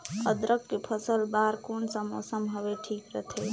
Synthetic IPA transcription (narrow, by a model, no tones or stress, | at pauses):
əd̪ɾəkːepʰəsəlbaɾkonsəmo̰səmɦəbeʈʰikɾət̪ʰe